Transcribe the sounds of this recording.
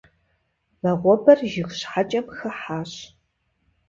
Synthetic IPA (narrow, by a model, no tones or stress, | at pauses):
lɐʁʷɔbɐrʒɪxɕħat͡ʃʼɐmxɐħaːɕ